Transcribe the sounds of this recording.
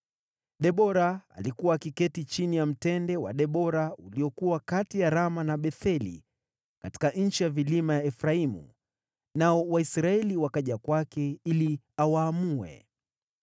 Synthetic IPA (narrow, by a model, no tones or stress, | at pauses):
ɗɛɓɔɾaa̰likuwakikɛtit͡ʃinijam̩tɛndɛwa̰ɗɛɓɔɾauliɔkuwakatijaɾamanaɓɛθɛlḭ | kati̥kaʔɲ̩t͡ʃijavilimajaɛfɾaimṵ | naɔwaisɾaɛliwakaʄakwakɛili | awaːmuɛ̰